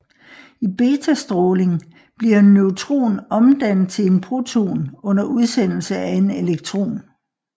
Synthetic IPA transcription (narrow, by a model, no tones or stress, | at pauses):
ib̥e̝ːt͡sʰæsd̥ʁɔːle̝ŋ | b̥liɐnøʊt͡sʰʁo̝̰ːnɒ̽md̥æn̰ð̩ˠt͡sʰe̝le̝npʰʁo̝t͡sʰo̝̰ːnɔ̽n̰ɐʔuð̞ˠsen̰l̩səæe̝ne̝leɡ̥̚t͡sʰʁo̝̰ːn